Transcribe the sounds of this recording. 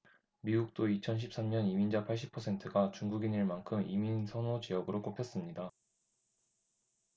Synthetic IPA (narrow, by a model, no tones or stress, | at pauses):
miɡuk̚t͈oit͡ɕʰʌnɕ̬ʰip̚s͈amɲʌnimind͡ʑapʰaɭɕ͈ipʰʌsʰe̞ntʰɯɡat͡ɕuŋɡuɡiɲɯɭmankʰɯmiminsʰʌnod͡ʑijʌɡɯɾok͈opʰe̞s͈ɯmɲida